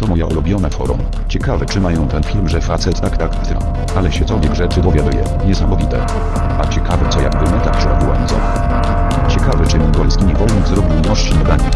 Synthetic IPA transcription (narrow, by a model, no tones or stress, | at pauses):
t̪ɔmɔjaʔɔ̰lubʲjɔnafɔ̰ɾṵm | t͡ɕɛkavɛt͡ʂɘmajɔ̃w̃t̪ɛnfʲilmʐɛfat̪sɛt̪t̪ːakt̪akt̪ɘ | ʔalɛɕɛkɔlvʲjɛɡʐɛt͡ʂɘd̪ɔvʲjad̪ujɛ̰ | ɲɛsamɔvʲit̪ɛ̰ | at͡ɕɛkavɛtsɔja̰ɡ̚bɘmɛt̪akɕɛɔ̰bʲuwa̰nzɔ̰m | t͡ɕɛkavɛt͡ʂɘmʲiɡɔlskʲiɲɛvɔlnɔzɾɔbʲiwnɔʂt͡ɕinɔɡ̪aɲɛ